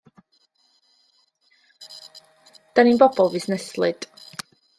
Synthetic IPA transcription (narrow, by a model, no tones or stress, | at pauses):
d̥aninbɔbɔlˠvɪθnɛslˠɨd̥